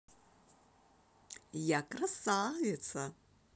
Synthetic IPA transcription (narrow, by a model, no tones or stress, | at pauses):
jakʼrasavet͡sʰa